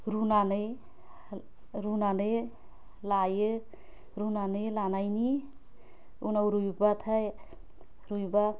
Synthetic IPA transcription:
ɾunanɯj | ɾunanɯj | lajɯ | ɾunanɯjlanajni | unawɾujbat̪ʰaj | ɾujba

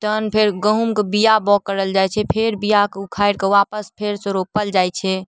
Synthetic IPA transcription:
t̪ənpʰeɾɡəɦumkebijabɔkːəɾəld͡ʒajt͡ʃʰɛpʰeɾbijakukʰajɽkeʋapəspʰeɾsɔ̃ɾopəld͡ʒajt͡ʃʰɛ

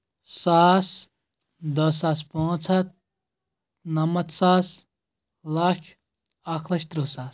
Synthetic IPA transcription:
saːs | d̪ɐs̬aːspõːt͡sʰɐt̪̚ | nɐmɐt̪saːs | lat͡ʃʰ | akʰlɐʃt̪ɾuːsaːs

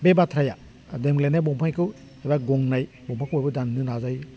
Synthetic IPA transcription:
bebatʰɾaja | demɡlenabɔmpʰajkʰɯ | ebaɡɔŋnaj | bɔŋmpʰakʰuabɯdanːɯnazaj

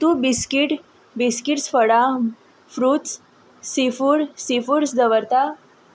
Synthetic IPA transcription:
t̪ubiskiʈ | biskiʈsfəɽa | fɾuːt̪s | sifuɾsifuɾsd͡z̪əʋəɾt̪a

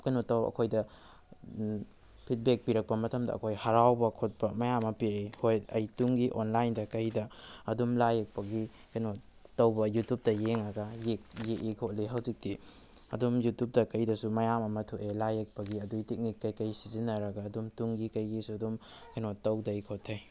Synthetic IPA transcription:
kɐjnotɐwɐ̰kʰojdɐ | pʰit̚bek̚piɾɐk̚pɐmɐtɐmdɐ̰ɐ̰kʰojhɐɾawbɐkʰot̚pɐmɐjamːɐpiɾehojɐjtuŋɡiʔonlajndɐkɐjdɐɐdumlajek̚pɐɡi | kɐjno | tɐwbɐjutjup̚tɐjeŋɐɡɐjekjeʔikʰotliɦɐwzik̚ti | ɐ̰dumjutup̚dɐkɐjdɐsumɐjamɐmɐtʰuʔelajek̚pɐɡiɐdutek̚nikːɐjkɐjsizinɐɾɐɡɐːdumtuŋɡikɐjɡisuɐdumkɐjnotːɐwdɐikʰotʰːɐj

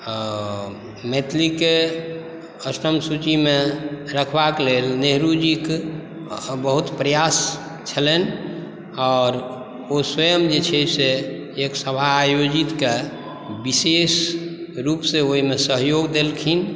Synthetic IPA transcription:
met̪ʰlike | əsɾəmsut͡ʃimeɾəkʰbakelelneɦɾud͡ʒik | bəɦut̪pɾəjas | t͡ʃʰəlen | ɔːɾ | oswəjəmd͡ʒet͡ʃʰɛseː | ksəbʱajod͡ʒit̪ke | bisesɾupseoɦimesəɦjoɡd̪elkʰin

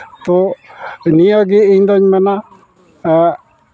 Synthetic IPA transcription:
t̪o | niaɡiind̪aɲmana

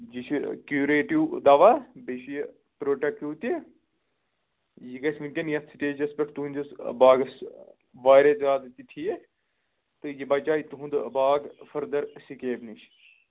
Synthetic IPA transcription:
d͡ʒit͡ʃʰikjuːɾeːʈiwd̪aːʋabeʃij | pɾoːʈɐkjuːt̪i | jiɡɐsmint̪ʲɐnjɐt̪sʰiʈeːd͡ʒɐspɐʈʰt̪uɦunʲd͡ʒɐsbaːɡɐs | ʋaːɾezaːd̪t̪it̪ʰije | t̪ɨjibɐt͡ʃaːit̪uɦũnd̪ɨbaːɡfɐɾd̪ɐɾsikeːbniʃʰ

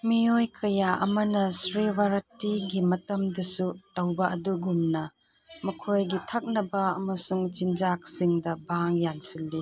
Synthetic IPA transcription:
miojkʰɐjaʔɐ̰mɐnɐsɾiwaɾɐtiɡimɐtɐmdɐsutɐwbɐʔɐduɡumnɐ | mɐkʰojɡitʰɐk̚nɐbɐɐmɐsuŋt͡ʃind͡ʒak̚siŋdɐbaŋjansilːi

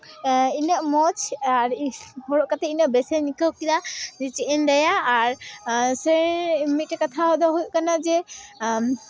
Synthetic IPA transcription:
inəʔmɔt͡ʃaɾhɔɽɔʔkat̪ɛinəʔbɛsɛnikəwkilad͡ʒɛt͡ʃiʔənd̪ajaʔːɾsəmit̪̚ʈɛkat̪ʰaɦɔd̪ɔɦujʔkanad͡ʒɛ

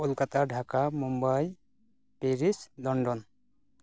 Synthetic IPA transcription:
ulkat̪aɖʱakamumbaj | peɾisd̪ɔɳɖɔn

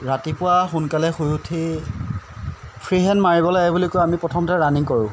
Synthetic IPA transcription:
ɹatipʊwaxunkalɛxujutʰi | pʰɹiɦɛnmaɹibɔlaɛbulikojamipɹɔtʰɔmtaɹaniŋkɔɹʊ̃

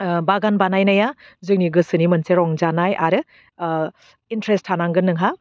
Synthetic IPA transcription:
baɡanbanajnajazɯk̚niɡɯsɯnimɐnseɾɔŋzanajʔaɾɯ | intɾestʰːanaŋɡɯnːɯŋɦa

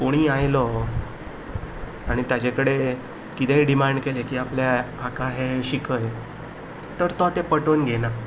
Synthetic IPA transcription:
koɽ̃iːajlɔ | aɽ̃it̪jad͡ʑekəɽe | kit̪eɖimaɳɖkelekiːapljaː | kaɦeɕikəj | t̪əɾt̪ɔt̪epəʈonɡena

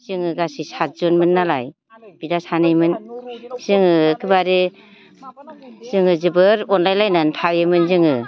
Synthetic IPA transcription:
z̥ɯŋɯɡasisat̚zɔnmɯnːalaj | b̥idasanɯjmɯnsɯŋɯkʰɯbaɾe | z̥ɯŋɯzɯbɯɾɔnlajlajnantʰawemɯnzɯŋɯ

